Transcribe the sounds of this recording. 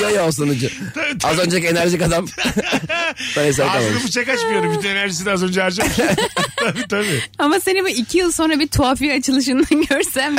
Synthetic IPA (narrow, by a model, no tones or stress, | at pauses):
jajaːsanɯd͡ʒɯtʰabiazø̞nd͡ʒake̞næɾʒikad̪am | sanes̬aːbɛt̪alˠmamʃfut͡ʃakat͡ʃmɯjod̪umɟyynenæɾʒisid̪azønd͡ʒaaɾd͡ʒa | tʰabiːt̪ʰabiamase̞nibuicʰijɯlˠso̞nɾabiɾt̪ʰuaːfiat͡ʃʰɯlˠɯʃ̬ɯnd̪anɟøɾsæm